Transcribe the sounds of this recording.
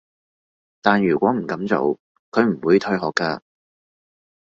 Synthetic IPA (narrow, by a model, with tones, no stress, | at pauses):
t̪aː˨njyː˨˩kʷɔː˨˥m̩˨˩kɐ˨˥mt͡so̰˨˧w | kʰɵ˨˧ɥm̩˨˩wuː˨˧jt̪ʰɵ˧ɥɦɔː˨˩kːaː˧